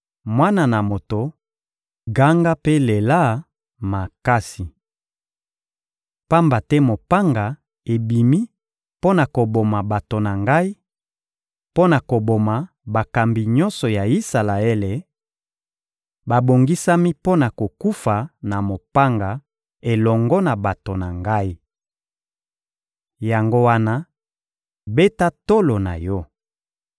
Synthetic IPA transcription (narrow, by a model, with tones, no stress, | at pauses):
mwa˦na˨na˨mo˨to˨ | ɡa˦ŋɡa˦pe˦le˨la˦ | ma˨ka˦si˨ | pa˦mba˨tɛ˦mo˨pa˦ŋɡa˨ | e˨bi˨mi˦ | po˦na˨ko˨bo˨ma˨ba˨to˨na˨ŋɡa˦i˦ | po˦na˨ko˨bo˨ma˨ | ba˨ka˨mbi˨ɲɔ˦nsɔ˨ja˨i˦sa˨la˨e˦le˨ | ba˨bo˨ŋɡi˦sa˦mi˦po˦na˨ko˨ku˦fa˨na˨mo˨pa˦ŋɡa˨ | e˨lɔ˨ŋɡɔ˦na˨ba˨to˨na˨ŋɡa˦i˦ | ja˨ŋɡo˦wa˦na˦ | be˦ta˦to˦lo˨na̰˨jɔ˦